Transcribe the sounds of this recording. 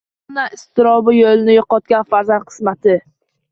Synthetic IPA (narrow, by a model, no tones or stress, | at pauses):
naɪst̪ɪɾɒbɪjolɪnɪjoqɒt̪̚kʲanfaɾzan̚qʰɨ̥smat̪ʰɪ